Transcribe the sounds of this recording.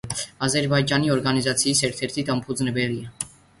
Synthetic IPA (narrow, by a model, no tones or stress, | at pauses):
ɑzɛɾbɑjd͡ʒɑniɔɾɡɑnizɑt͡sʰiisɛɾt̪ʰɛɾt̪ʰit̪ʰɑmpʰuznɛvɛliɛ